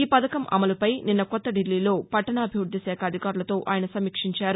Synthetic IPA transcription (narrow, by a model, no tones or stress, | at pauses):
iːpɐd̪ɐkɐmʔɐ̰mɐlupɐjninːɐkɔt̪ːɐɖilːiːlo̞ːpɐʈːɐnɐːbʱiud̪jɐsɛːkʰɐɐd̪ʱikaːɾulɐt̪o̞ːʔaːjɐnɐsɐmikʂiɲt͡ʃaːɾu